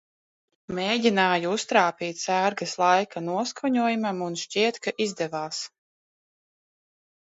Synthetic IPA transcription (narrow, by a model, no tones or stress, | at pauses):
meːɟʲinaːjuust̪ɾaːpiːt̪sæːɾɡaslˠajkanuɔskɔɲuɔjumamunʃt͡ʃiɛt̪kaʔizd̪ɛvaːs